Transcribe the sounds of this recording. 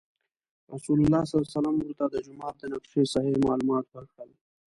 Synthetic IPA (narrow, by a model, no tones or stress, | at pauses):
ɾasulʊlːaːsasɐlamʊɾt̪ad̪əd͡ʒʊmaːt̪̚d̪ənaqʃesɐɦimaːlumaːt̪wəɾkɽəl